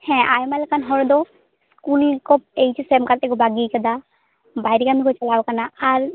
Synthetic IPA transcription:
hɛ̃ʔajmalkanɦɔɾd̪ɔ | skulkɔp̚ejt͡ʃɔsemkat̪ɛkɔbaɡikəd̪a | bʱajɾikamikɔt͡ʃalaːwkanaaɾ

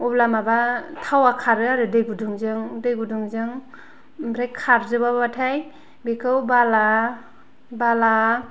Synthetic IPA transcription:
ublamabatʰawakʰaɾɯaɾɯdɯjɡuduŋzɯŋdɯjɡuduŋzɯŋ | bɾekʰːaɾzɯbababatʰaj | bikʰɯwbala | bala

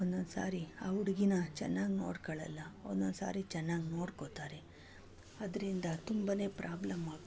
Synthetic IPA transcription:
ond̪onsa̰ːɾia̰ːuɽiɡinɐt͡ʃɛ̰nːaːɡno̞ːɽkɐɭɐlːɐo̰nd̪onsa̰ːɾit͡ʃɛnːaːɡno̞ːɽkot̪aːɾe | ɐd̪ɐɾind̪ɐt̪umbɐne̞ːpɾʔaːblɐmːaːɡ

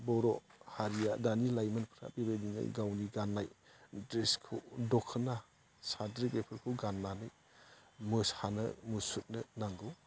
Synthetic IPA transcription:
bɔɾɔhaɾijadanilajmanpʰɾa̰bibedinɯ̰ɡawniɡanːajdɾeskʰudɔkʰːɯna | sadɾibepʰɯɾkʰuɡanːanɯj | mɯshanɯ̰musut̚nɯnaŋɡɯw

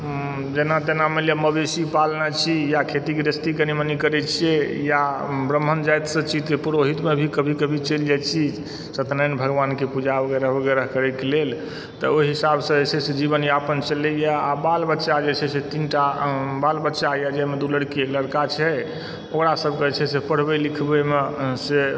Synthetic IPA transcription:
d͡ʒenat̪enameljaməbesipalnat͡ʃʰijakʰet̪ikeɾəst̪ikenimənikəɾɛt͡ʃʰiejabɾəm̤ːənd͡ʒajt̪sət͡ʃʰit̪epuɾoɦit̪mebʱikəbʱikəbʱit͡ʃeld͡ʒajt͡ʃʰi | sət̪nəjnbʱəɡʋankepud͡ʒabəɡɛɾəɦbəɡɛɾəɦkəɾɛkelel | t̪ə̰oiɦisabsə̃esesed͡ʒibənjapənt͡ʃəlɛjaabalbətːʃad͡ʒet͡ʃʰɛset̪inʈabalbətːʃajad͡ʒamed̪uləɽkiləɽkat͡ʃʰɛ | okɾasəbʱket͡ʃʰɛsepəɽ̤bɛlikʰbəmese

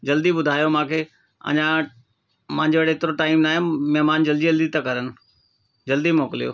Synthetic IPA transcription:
d͡ʑɐld̪ibʊd̪ʱaːjomãːkʰeː | ɐ̰ɲã | mãːɲd͡ʑeɽeːt̪ɪɾoʈaːɪmnaːɦõmɛɦmaːnd͡ʑɐld̪iɐld̪it̪akɐɾənɪ̆ | d͡ʑɐld̪imɔːkɪlijo̰ː

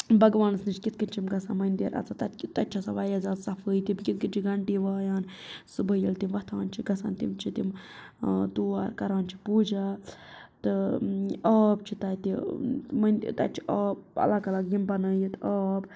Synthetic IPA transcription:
bɐɡʋaːnɨsnɨt͡ʃʰkʲit̪̚kɨnʲt͡ʃʰimɡɐsamɐnʲd̪iɾʔɐ̰t͡sʰat̪ɐt̪ɐt͡ʃʰasaʋɐjɐzasɐfʰəːjt̪imkit̪̚kɨnʲt͡ʃʰiɡɐɳɖiʋaːjaːnsɨbəjilt̪imʋɐt̪ʰaːnt͡ʃʰiɡɐsa̰ːnt̪ḭmt͡ʃʰit̪im | t̪uːa̰ːɾkɐɾaːnt͡ʃʰi̥puːd͡ʒa | t̪ɨ | ɐːb̚t͡ʃʰit̪ɐt̪imɐnʲt̪ɐ̰t͡ʃʰiʔɐːb̚ɐ̰lakɐlakjimbɐnɐjit̪aːb

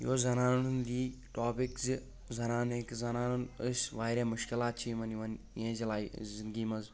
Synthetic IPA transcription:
joːzɐnaːnunund̪iːʈoːpikzi | zɐnaːneːkzɐnaːnunəsʋaːɾẽːmʊʃkɪlaːt̪̚t͡ʃʰiːmɐniʋɐn | jẽːzilaːizinɡiːmɐz

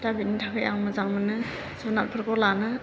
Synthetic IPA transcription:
dabinitʰakʰɯjaŋmɯzaŋmɯnɯ | sɔnat̚pʰɯɾkɔlanɯ

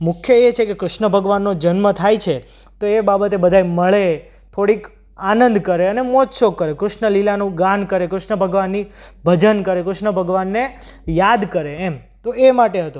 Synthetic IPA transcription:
mʊkʰjəet͡ʃʰekekɾʊʃnəbʱəɡʋanːod͡ʒənmət̪ʰajt͡ʃʰe | t̪oebabət̪ebəd̪ʱaeməɭe | t̪ʰoɽik | anənd̪ʱkəɾeənemɔt̪ʃokəɾekɾʊʃɳəlilanũɡãnkəɾekɾʊʃɳəbʱəɡʋanːibʱəd͡ʒənkəɾekɾʊʃɳəbʱəɡʋanːejad̪kəɾeːm | t̪oemaʈeɦət̪o

